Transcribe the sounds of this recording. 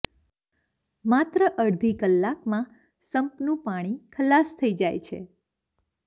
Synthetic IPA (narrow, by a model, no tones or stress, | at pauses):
mat̪ɾəʔəɽd̪ʱikəlːakmã | səmpnũpaɽ̃ikʰəlast̪ʰəid͡ʒajt͡ʃʰḛ